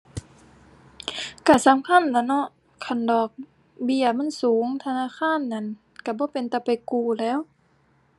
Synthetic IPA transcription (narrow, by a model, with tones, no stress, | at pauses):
ka˧˩sa˨˦mkʰa˧˥˨nla˧˩nɔ˧˥ʔ | kʰa˧˩ndɔː˨˩k̚ | bi˧˩əma˧˥˨nsuː˨˦ŋt̪ʰa˧naː˧˥˨xʰaː˧˥˨nːa˧˩˨n | ka˧˩bɔː˧˦pe˨nt̪ɛː˧˩pa˨jkuː˧˩lɛː˧˥˨w